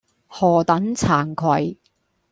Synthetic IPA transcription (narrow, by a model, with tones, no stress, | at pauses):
hɔː˨˩t̪ɐ˨˥nt͡sʰaː˨˩nkʰwɐ˨˩j